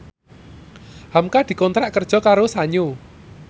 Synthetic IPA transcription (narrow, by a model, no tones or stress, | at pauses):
hamkad̪̥i̤kɔnt̪ɾaʔkərd̥ʒ̥ɔ̤kaɾosaɲo